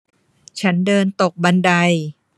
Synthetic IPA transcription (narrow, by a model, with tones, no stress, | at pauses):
t͡ɕʰa˦˥ndɤː˧nt̪o˨˩k̚ba˧nda˧j